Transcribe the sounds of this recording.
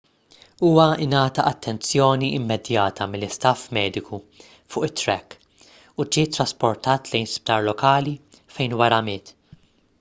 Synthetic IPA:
uːwɐɪnɐːt̪ɐʔɐt̪ːɛnt͡sjɔːniɪmːɛd̪jɐːt̪ʰɐmɪlːɪst̪ɐfmɛːd̪ɪku | fʊːʔɪt̪ːɾɛkː | ud͡ʒiːt̪ːɾɐspɔɾt̪ɐːt̪lɛjnsp̚t̪ɐːɾlɔkɐːli | fɛjnwɐɾɐmɪːt̪

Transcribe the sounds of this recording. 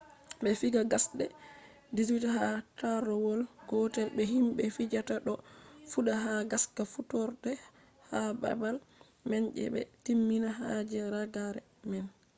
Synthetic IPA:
bɛfiɡaɡasɗɛ̰ | dizwitaɦataɾɔwɔlɡ̥ɔtɛlbɛɦimɓɛfid͡ʒataɗɔfuɗaɦaɡaskafutɔɾdɛ | haba̰bal | mɛɲʔɛ̰ɓɛ̰timːinaɦad͡ʒɛɾaɡaɾɛ | mɛn

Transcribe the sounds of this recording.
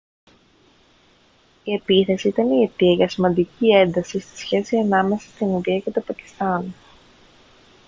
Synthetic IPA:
ie̞piθe̞siit̪ɐnie̞t̪iɐʝɐsimɐnd̪icie̞nd̪ɐsist̪i̥sçe̞siɐnɐme̞sɐst̪inuðiɐce̞t̪o̞pɐci̥st̪ɐn

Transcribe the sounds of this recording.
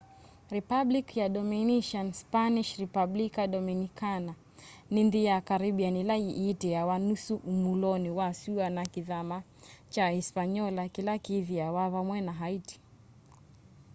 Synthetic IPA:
ɾipablikjaɗɔminiʃɔnspaniʃɾipablikaɗɔminikana | ninðijakaɾiɓianilaiʔitɛjawanusuʔːmulɔniwasuanakiðama | t͡ʃaispaɲɔlakilakiðiawaβamwɛnaɦaiti̥

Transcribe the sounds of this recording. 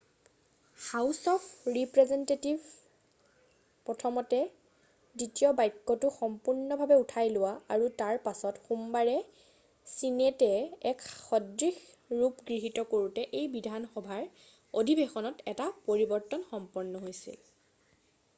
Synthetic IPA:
xawsɔpʰɹipɹɛzɛntetivʱ | pɹɔtʰɔmɔtɛ | ditijɔbajkːɔtʊxɔmpuɹnɔbʱabɛutʰajlʊwaaɹutaɹpasɔtxumbaɹɛ | sinetɛɛkxɔdɹix | ɹupɡɹiɦitɔkoɹutɛʔejbidʱanxɔbʱaɹ | odʱibexɔnɔtɛtapoɹibɔɹtɔnxɔmpɔɹnːɔɦojsḭl

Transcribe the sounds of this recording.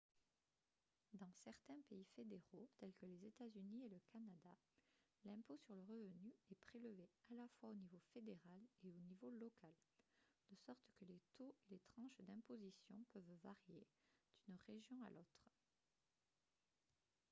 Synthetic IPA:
d̪ɑ̃sɛʁt̪ɛ̃peifed̪eʁot̪ɛlkəlezet̪azynieləkanad̪a | lɛ̃posyʁləʁəvənyɛpχeləvealafwaonivofed̪eʁaleonivolɔkald̪̥əsɔʁt̪kəlet̪oelet̪χɑ̃ʃd̪ɛ̃pozisjɔ̃pœvvaʁjed̪̥ynʁeʒjɔ̃a̰lʔot̪χ

